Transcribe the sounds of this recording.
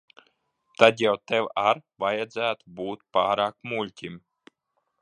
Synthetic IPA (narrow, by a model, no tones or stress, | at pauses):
t̪ad̪jawt̪ɛwaɾvajad̪zæːt̪ubuːt̪paːɾaːkmulʲtʲim